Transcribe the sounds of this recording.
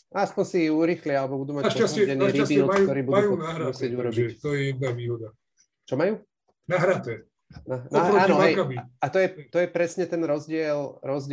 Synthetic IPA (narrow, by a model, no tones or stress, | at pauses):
aspɔnsiuɾiːxlialɛbɔbud̪uːmaaʃasɛɛniːɾibiːlkt̪ɔɾiːbud̪ujuɔnaɦɾamusɪɛɟuɾɔbit̪ɔjɛjɛd̪̚naʋiːɦɔd̪a | t͡ʃɔmajuː | naɦɾat̪ɛ | nanaːnɔɛjkabiat̪ɔjɛt̪ɔjɛpɾɛsɲɛt̪ɛnɾɔzɟɪɛlɾɔzɟɪ